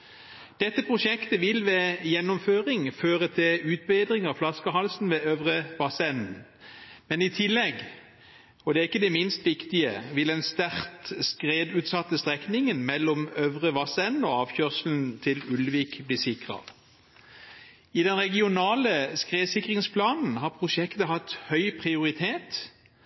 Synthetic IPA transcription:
d̪̥ɛt̪ːəpʰʁʊʃɛkt̪əʋɪlʋeːjɛnːɔmføːʁɪŋføːʁət̪ʰɪlʉːt̪̚beːd̪ʁɪŋɑflɑskəhɑlsn̩ʋeːœʋʁəʋɑsɛnn̩ | mɛnɪt̪ʰɪlːɛɡ | ɔd̪ɛːæɪkːəd̪ɛmɪnst̪ʋɪkt̪ɪəʋɪld̪ɛnst̪æʁt̪skʁeːd̪ʉːt̪sɑt̪ːəst̪ʁɛknɪŋənmɛlːɔmœʋʁəʋɑsɛnn̩ɔɑːʋçœːʁslnt̪ʰɪlʉlʋiːkbliːsɪkʁə̰ | ɪd̪ɛnʁɛɡɪʊnɑːləskʁeːsɪkʁɪŋspʰlɑːnn̩ɦɑːʁpʰʁʊʃɛkt̪əɦɑt̪ːhœʏpʰʁɪʊʁɪt̪ʰeːt̪

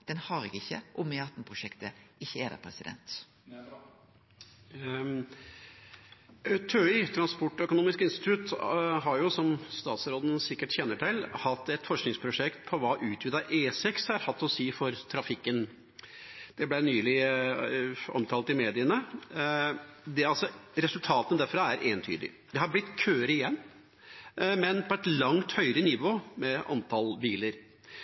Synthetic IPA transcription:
d̪̥ɛnhɑɾɪkəɪçːə̰ʔɔmeɑt̪ːn̩pʰɾʊʂɛkt̪əɪçːəɛd̪æ̰pʰɾɛsɪd̪ɛ̰nt̪ | t̪ʰøʏt̪ʰɾɑnspɔʈːœkʊnuːmɪskɪnst̪ɪt̪ʰʉt̪ɦɑɾjʊsɔmst̪ɑːt̪sɾoːd̪ən̩sɪkːəʈçɛnːəʈɪlhɑt̪ːɛt̪fɔʂknɪŋspʰɾʊʂɛkt̪̚pʰɔʋɑːʔʉːt̪ʰʋɪːd̪ɑʔeːsɛkshɑɾhɑt̪ːɔsiːfɔɾt̪ʰɾɑfɪkːən | d̪̥ɛblænyːlɪ | ɔ̰mt̪ʰɑːlt̪ɪmeːd̪ɪənə | d̪ɛɑlsɔɾɛsʉlt̪ʰɑːt̪ənd̪æɾfɾɑæɾʔeːnt̪ʰy̰ːd̪ɪ̰ | d̪ɛhɑɾblɪt̪ːkʰøːɾəɪjɛnː | mɛnpʰɔɛt̪lɑŋt̪hœʏɾənɪʋoːmɛʔɑ̰nt̪ʰɑlbiːləɾ

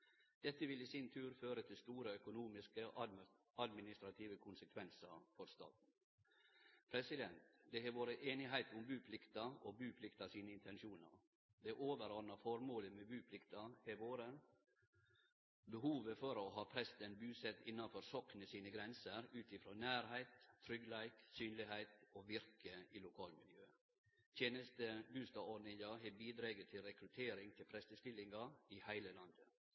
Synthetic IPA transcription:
d̪̥ɛt̪ːəʋɪliːsɪnt̪ʰʉːɾføːɾət̪ʰɪlst̪uːɾəœkʊnuːmɪskə | ɑd̪mɪnɪst̪ɾɑt̪ʰiːʋəkʰʊnsəkʰʋɛnsəɾfɔɾst̪ɑ̰ːt̪n̩ | pʰɾɛsɪd̪ɛnt̪d̪ɛɦɛːʋoːɾəʔeːnɪɦæɪt̪ʊmbʉːpʰlɪkt̪ɑobʉːpʰlɪkt̪ɑsiːnəɪnt̪ʰɛnʃuːnə̰ɾ | d̪ɛʔoːʋəɾɔɾnɑfɔɾmoːləmɛbʉːpʰlɪkt̪ɑheʋoːɾə | bəhuːʋəfɔɾɔɦɑːpʰɾɛst̪ənbʉːsɛt̪ːɪnːɑnfɔɾsɔknəsiːnəɡɾɛnsəɾʉːt̪ɪfɾoːnæːɾhæɪt̪ʰːɾʏɡlæɪt̪syːnlɪɦæɪt̪oʋɪɾkəɪlʊkʰɑːlmɪljøː | t̪ʰjeːnəst̪əbʉːst̪ɑɔɖnɪŋɑɦɛbiːd̪ɾɑːɡət̪ʰɪlɾɛkɾʉt̪ʰeːɾɪŋt̪ʰɪlpʰɾɛst̪əst̪ɪlɪŋɡɑɪhæɪləlɑnd̪ə

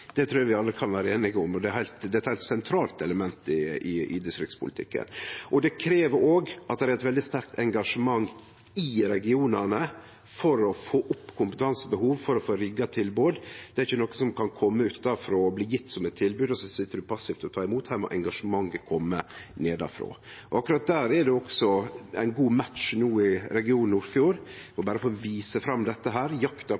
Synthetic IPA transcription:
d̪̥ɛt̪ʰɾʉːæɾʋɪɑlːəkʰɑnʋæːɾəeːnɪɡəʊmɔd̪ɛæɾhæɪlt̪d̪ɛɛt̪hæɪlt̪sɛnt̪ʰɾɑːlt̪ɛləmɛnt̪ɪɪɪ̰d̪ɪst̪ɾɪ̰k̪spʰʊ̰lɪt̪ɪ̰kːə̰nʔɔd̪ɛkʰɾeːʋəoːɡʔɑt̪̚d̪ɛɾæɾɛt̪ʋɛld̪ɪst̪æɾk̚t̪ɛŋɡɑʂəmɑŋː | ɪɾɛɡɪuːnənə | fɔɾɔfoːʔʊpːkʰʊmpət̪ʰɑnsəbəhuːʋfɔɾɔfoːɾɪɡɑt̪ʰɪlbuːd̪d̪̥ɛɾɪçənɔːkːəsɔmkɑnkʰɔmːəʉt̪ːɑfɾoːɔbliːjɪt̪ːsɔmɛt̪ʰːɪlbʉːd̪ɔsɔsɪt̪ːəɖʉpʰɑsːɪft̪ɔt̪ʰɑːɪmuːt̪hæːɾmɔ̰ʔɛŋɡɑʂəmɑŋːəkʰɔmːəneːd̪ɑ̰fɾo̰ː | ʔɔ̰ɑkːʉɾɑt̪̚d̪æːɾɛdɛɔksɔæ̰ɪnɡuːmæt̪ʂnuːɪɾɛɡɪuːnuɾfjuːɾɔbæːɾəfoʋiːsəfɾɑmːd̪ɛt̪ːəɦæːɾjɑkt̪ɑ

